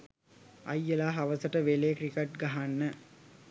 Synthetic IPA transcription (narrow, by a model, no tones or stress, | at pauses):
ɐ̰jːəlaːɦaʋəsəʈəʋelekrikeʈ̚ɡaɦanːə